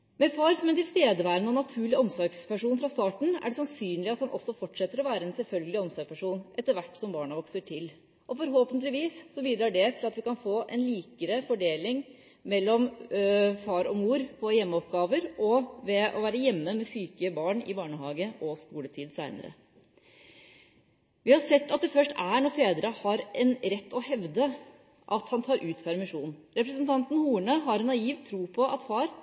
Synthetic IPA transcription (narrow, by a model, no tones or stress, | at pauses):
mɛfɑːɾsɔmɛnt̪ɪlst̪eːd̪əʋæːɾənɔnɑt̪ʰʉːɭɪɔmsɔɾɡspæʂuːnfɾɑst̪ɑːʈɳ̩æ̰ɖɛsɑnsyːnlɪɑt̪hɑnʔɔ̰sːɔfɔʈːʂɛt̪ːəɾɔʋæːɾəɛnsɛlfœlɡəlɪɔmsɔɾɡpʰæʂuːnʔɛt̪ːəɾʋæʈːsɔmbɑːɳəʋɔksəʈʰɪl | ʔɔfɔɾɦoːpənt̪əlɪʋiːsːɔbiːd̪ɾɑːɖɛt̪ʰɪlɑt̪ʋɪkɑnfoːʔɛnliːkəɾəfɔɖeːlɪŋ | mɛlːɔm | fɑːɾɔmuːɾpʰɔjɛmːəɔpɡɑːʋəɾɔʋɛʔɔʋæːɾəjɛmːəmɛsyːkəbɑːɳɪ̰bɑːɳəɦɑːɡəʔɔskuːlət̪ʰiːd̪sæɪnə̰ɾə̰ | ʋɪhɑsɛt̪ːɑt̪̚d̪ɛfœʂʈæɳɔɾfeːd̪ɾəhɑɾɛnɾɛt̪ːɔhɛʋd̪ə | ʔɑt̪hɑnt̪ʰɑːɾʔʉːt̪pʰæɾmɪʂuːnɾɛpɾəsənt̪ʰɑnt̪n̩huːɳəɦɑɾɛnːɑiːʋt̪ʰɾuːpʰɔʔɑt̪fɑːɾ